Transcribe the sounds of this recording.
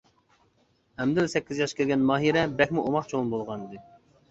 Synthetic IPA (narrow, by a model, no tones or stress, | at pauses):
ɛmd̪ɪlsɛkʲːizjɑʃkʲelʲɡʲɛnmɑːɦiɾɛbɛkʲmuʔomɑqt͡ʃʰonbolˠʁɑnɨd̪ɨ